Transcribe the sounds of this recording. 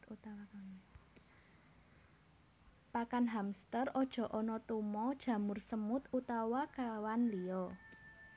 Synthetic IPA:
u | pakanɦamst̪ərɔd̥ʒ̥ɔ̤ʔɔnɔt̪umɔd̥ʒ̥ä̤mʊrsəmʊt̪ut̪awakawanliɔ

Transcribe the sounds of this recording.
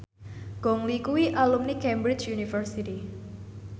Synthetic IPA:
ɡ̥ɔŋlikuwiʔalumnikɛmbɾɪt͡ʃjunifərsiti

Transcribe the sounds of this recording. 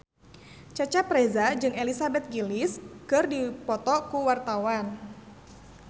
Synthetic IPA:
t͡ʃat͡ʃapɾezad͡ʒɨŋelisabɛt̪̚ɡilɪskɨrdipɔt̪ɔkuwart̪awan

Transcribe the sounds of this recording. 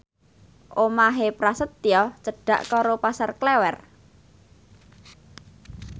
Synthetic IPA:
ʔomaɦepɾasət̪ːiɔt͡ʃəɖ̥a̤ʔkɔɾopasarklɛwɛr

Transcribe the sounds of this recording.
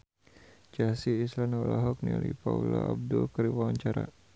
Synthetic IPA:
d͡ʒasiːslanɔlaɦɔk̚nilipauloab̚dulkəɾiwawaɲt͡ʃaɾa̰

